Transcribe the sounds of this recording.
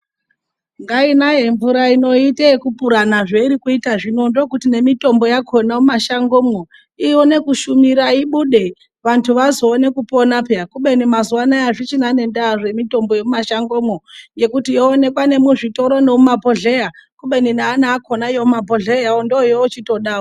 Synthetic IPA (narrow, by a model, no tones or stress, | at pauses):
ŋɡainajeɱvuɾaino̞itekupuɾanaʐeiɾikuitaʐino̞ndokutine̞mito̞mbo̞jakʰonamumaʃaŋɡo̞ːmo | ione̞kuʃumiɾaiɓuɗe̞ | ʋantʰuʋazo̞ːne̞kupo̞napeakuɓe̞nimazuwanajaʐit͡ʃinane̞ndaʐe̞mito̞mbojemumaʃaŋɡo̞moŋɡe̞kutijoːne̞kwane̞muʐito̞ɾo̞nemumapo̞ɮejakuɓe̞ninaːnaːkonajoumabʱoɮejaondojoot͡ʃito̞ɗaːo